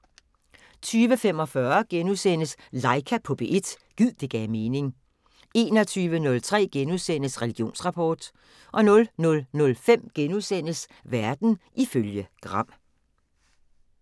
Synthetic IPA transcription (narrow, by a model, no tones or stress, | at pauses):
t͡sʰyːʋəfem̰ɒ̽fɶɐɡ̥enusen̰əslɑ̈ɪkʰæpʰɔ̽b̥eʔe̝d̥ | ɡ̥ið̰ˠd̥e̝ɡ̥ɛːme̝ːne̝ŋ | e̝ːnɒ̽t͡sʰyːʋənɔ̽lt͡sʰʁɛ̰ːɡ̥enuðˠsen̰əsʁɛliɡ̥jo̝̰ːnsʁɑ̈pʰɒːd̥ | ʔɒ̽nɔ̽lnɔ̽lnɔ̽lfem̰ɡ̥enuðˠsen̰əs | ʋæɐd̥n̩ʔiføljəɡ̥ʁɑ̈m̰